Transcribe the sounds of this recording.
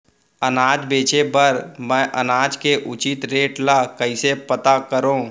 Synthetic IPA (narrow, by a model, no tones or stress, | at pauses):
ənaːd͡ʒbeːt͡ʃebəɾmɛ̃ːʔənaːd͡ʒkeʔʊt͡ʃit̪ɾeːʈlakəɪsepət̪akəɾõː